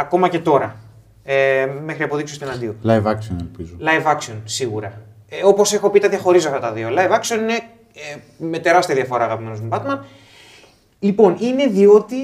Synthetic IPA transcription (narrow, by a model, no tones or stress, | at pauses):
ɐko̞mɐcet̪o̞ɾɐ | eme̞xɾiɐpo̞ðiksost̪oenɐnd̪io̞lɐjvɐksio̰nelpizulɐjvɐksio̞nsiɣuɾɐ | o̞po̞se̞xo̞pit̪ɐðʝɐxo̞ɾizoɐft̪ɐt̪ɐðio̞lɐjvɐksio̞nine | e | me̞t̪e̞ɾɐst̪iɐðiɐfo̞ɾɐːɣɐpime̞nomubɐt̪mɐn | lipo̞nine̞ðio̞t̪i